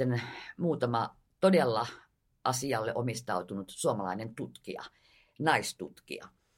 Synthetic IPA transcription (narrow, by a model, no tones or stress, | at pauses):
enmuːt̪ɑmɑ | t̪odelːɑ | ʔɑsiɑlːeʔomist̪ɑut̪unut̪suomɑlɑinent̪ut̪kḭɑ̰ | nɑist̪ṵt̪kḭɑ̰